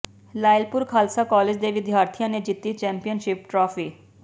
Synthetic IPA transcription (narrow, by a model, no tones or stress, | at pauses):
laːɪlpʊɾkʰaːlsakɔːled͡ʒd̪eʋɪd̪ʱjaːɾt̪ʰijãned͡ʒɪt̪ːit͡ʃɛ̃ːmpijənʃɪp̚ʈɾɔːpʰiː